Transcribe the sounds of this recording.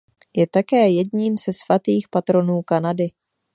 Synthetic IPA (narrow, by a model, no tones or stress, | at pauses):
jɛt̪akɛːjɛdɲiːmz̥ɛsvat̪iːxpat̪ɾo̞nuːkanadɪ